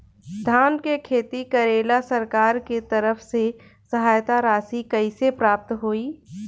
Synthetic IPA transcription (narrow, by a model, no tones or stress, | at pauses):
d̪ʱaːnkekʰeːt̪ikɐɾeːlasɐɾkaːɾket̪ɐɾəfse | sɐɦaːjt̪aɾaːsikɐisepɾaːp̚t̪ɦoːiː